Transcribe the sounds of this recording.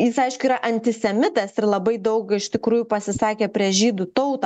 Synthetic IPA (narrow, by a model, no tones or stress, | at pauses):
jɪsɐɪʃkʊiːɾɐʔɐnʲt̪ʲɪsʲɛmʲɪt̪ɐsɪrlˠɐbɐɪd̪ɐʊkɪʃt̪ʲɪkɾuːjupɐsʲɪsɑːkʲeːpʲɾʲiɛʒʲiːd̪ut̪ɐʊt̪ɐ